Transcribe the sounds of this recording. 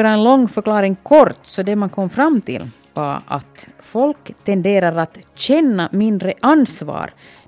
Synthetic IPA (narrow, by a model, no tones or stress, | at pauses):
ɾaɛnlɔŋːfœɾklɑːɾɪŋkʰɔɾt̪sɔd̪ɛmankʰɔmːfɾamːt̪ʰɪ̰l | va̰ʔa̰t̪fɔlkt̪ʰɛnd̪eːɾaɾat̪ɕɛnːamɪnd̪ɾəʔansvɑ̰ːɾ